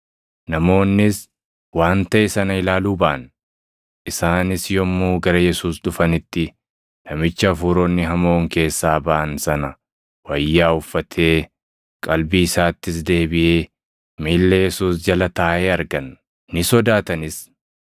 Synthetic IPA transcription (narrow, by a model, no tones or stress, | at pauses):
nɐmo̞ːnːɪs | waːnt̪ɐʔesɐnɐɪlaːluːbɐʔɐn | ʔɪsaːnɪsjɔmːuːɡɐɾɐjɛsuːsᶑʊfɐnɪt̪ːɪ | nɐmɪt͡ʃːɐːfuːɾoːnːɪɦɐmo̞ːŋke̞ːsːaːbɐʔɐnsɐnɐ | wɐjːaːʊfːɐt̪ʰeː | kʼɐlbiɪsaːt̪ːɪsd̪e̞ːbɪʔeː | miːlːɛjɛsuːsd͡ʒɐlɐt̪ɐːʔeːɐɾɡɐnː | ɪsɔd̪aːt̪ɐnɪs